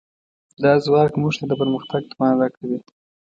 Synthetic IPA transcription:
d̪ɑzwɑkmuʐt̪ad̪əpəɾməxt̪aɡ̚t̪ə̥pɑnad̪akawi

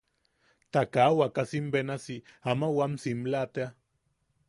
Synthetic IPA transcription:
t̪akawakasimbenasiamawamsimlat̪ea

